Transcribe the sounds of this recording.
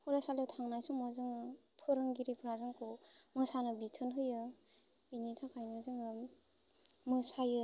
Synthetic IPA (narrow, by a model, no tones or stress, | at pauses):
huɾasalowtʰaŋnajsuŋmozɯŋɯpʰɯɾɯŋɡiɾepʰɯɾazɯŋkʰomɯsanɯbitʰɯnɦɯjɯ | initʰakʰajnɯzɯŋɯ | mɯsajɯ